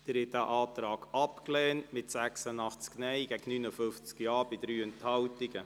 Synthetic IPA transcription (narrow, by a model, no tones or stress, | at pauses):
d̥ɪɾhɛt̚æʔɑːt̪ɾɑːɡ̥ɑpklɛːntmɪtsæksənɑχt͡sknɛɪɡ̥ɛɡ̥ənynəfɵft͡skjɑːɾbɪdɾyːɛnthɑwtɪɡə